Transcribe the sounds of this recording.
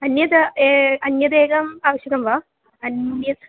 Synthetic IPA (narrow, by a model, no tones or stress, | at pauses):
ɐnjɐt̪ɐeːɐnjɐd̪eːɡɐmaːʋɐɕjɐɡɐmʋaː | ɐnjɐ